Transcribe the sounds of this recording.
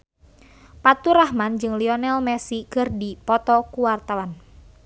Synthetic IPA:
pat̪uɾahmand͡ʒɨŋliɔnɛlmɛsikɨrdipɔt̪ɔkuwart̪awan

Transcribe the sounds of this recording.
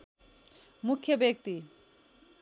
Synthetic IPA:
mukʰːjobjek̚t̪i

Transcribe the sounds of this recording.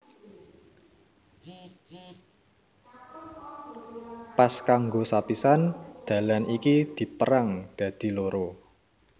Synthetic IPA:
paskaŋɡosapisand̪̥a̤lanikid̪̥i̤pəɾaŋd̪̥ä̤d̪̥i̤loɾo

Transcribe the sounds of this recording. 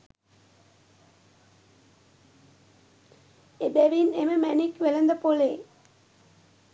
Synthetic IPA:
edɛʋineməmænikːʋelɐnd̪əpole

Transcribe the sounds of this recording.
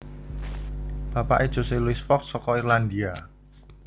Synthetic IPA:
b̥a̤pa̰ʔed̥ʒ̥o̤seluisfɔksɔkɔirland̪ia

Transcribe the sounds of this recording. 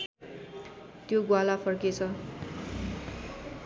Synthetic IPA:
t̪joɡwalapʰʌrket͡sʰʌ

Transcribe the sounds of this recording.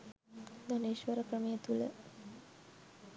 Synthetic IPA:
d̪oneːʃʋəɾəkrəmejet̪ulə̰

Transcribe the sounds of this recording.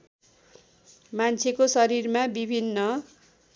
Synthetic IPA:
mant͡sʰekosʌɾirmabibʱinːʌ

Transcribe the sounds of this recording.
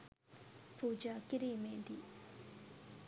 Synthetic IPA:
pud͡ʒakiɾimed̪i

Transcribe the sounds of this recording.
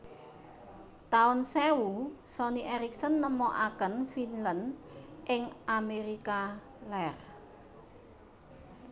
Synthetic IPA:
t̪aʊnsɛwusɔniʔɛɾik̚sənːəmɔʔakənfinlənʔɪŋameɾika | lɛr

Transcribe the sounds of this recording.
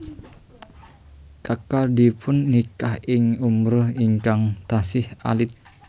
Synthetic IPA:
kakaldipʰʊnːikahɪŋumɾʊhiŋkaŋt̪asɪha̰lɪt̪̚

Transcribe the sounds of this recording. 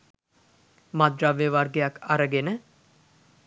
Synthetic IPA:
mad̪raʋːeʋarɡejakːaɾəɡenə

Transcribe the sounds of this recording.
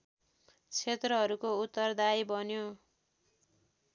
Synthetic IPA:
t͡sʰet̪rʌɦʌɾukout̪ːʌrd̪ajbʌnjo

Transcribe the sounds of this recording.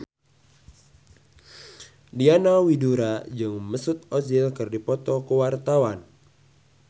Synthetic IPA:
dianawiduɾad͡ʒɨŋməsut̪̚ɔzilkɨrdipɔt̪ɔkəwart̪awan

